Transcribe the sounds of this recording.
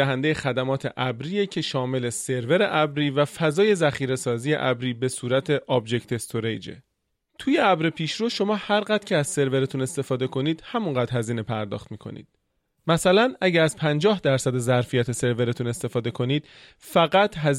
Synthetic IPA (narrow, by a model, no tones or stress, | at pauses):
æɦænd̪ejexæd̪æmɒːt̪ʰe̞̰ʔæbɾiːje̞cʰe̞ʃɒːme̞lese̞ɾve̞ɾe̞ʔæbɾiːvæfæzɒːje̞zæxiːɾe̞sɒːziːje̞̰ʔæbɾiːbe̞suːɾæt̪ʰe̞ʔɒːbd͡ʒe̞ct̪ʰe̞st̪ʰoɾḛjd͡ʒḛ | t̪ʰuːjeæbɾepʰiːʃɾoʃo̞mɒːhæɾɣæd̪̥cʰeæzse̞ɾve̞ɾet̪ʰune̞st̪e̞fɒːd̪e̞kʰo̞niːd̪̥hæmuŋɢæːd̪hæziːne̞pʰæɾd̪ɒ̰ːxt̪miːkʰo̞̰nḭːd̪̥̚ | mæsælænæɟææz̥pʰænd͡ʒɒːhd̪æɾsæd̪e̞zæɾfijæt̪ʰe̞se̞ɾve̞ɾet̪ʰune̞st̪e̞fɒːd̪e̞kʰo̞niːd̪̥ | fæɣæt̪ʰɦæ